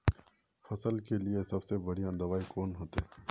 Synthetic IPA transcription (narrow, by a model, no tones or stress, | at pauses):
fɐsəlkeliesɐbsebɐɽ̤ijãd̪ɐʋaːikoːnɦoːt̪e